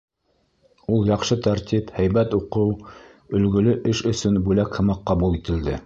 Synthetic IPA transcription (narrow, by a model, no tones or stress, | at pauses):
ulˠjɑqʃɤt̪æɾt̪ʲiphæjβæt̪uqɤw | ɵ̆lɡɵ̆lɵʔɘʃɵ̆sɵnbʉlækhɤ̆mɑqːɑβulˠit̪ɘ̆ld̪ɘ